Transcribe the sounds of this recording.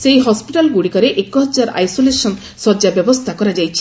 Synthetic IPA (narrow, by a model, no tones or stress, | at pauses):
sejɦɔspiʈalɡuɽikɔɾeʔekuɦɔd͡ʒaɾa̰jsolesɔn | sɔd͡ʒabjɔbɔst̪ʰakɔɾad͡ʒajt͡ʃʰi̥